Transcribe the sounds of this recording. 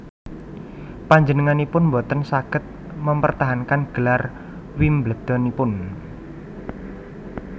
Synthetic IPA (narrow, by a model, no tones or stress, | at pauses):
paɲd͡ʒənəŋanipʊnmbɔt̪ənsakɪt̪̚ | məmpərt̪aɦankanɡ̥əlar | wimbləd̪̥ɔ̤nipʊn